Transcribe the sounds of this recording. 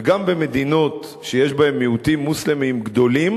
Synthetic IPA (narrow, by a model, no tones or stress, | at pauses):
ɡambeme̞d̪ino̞t | ʃejeʃbae̞mːiut̪imːuslemimɡd̪o̞lim